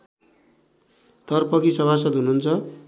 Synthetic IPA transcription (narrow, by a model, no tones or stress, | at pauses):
t̪ʌrpʌkisʌβʱas̬ʌd̪ɦununt͡sʰʌ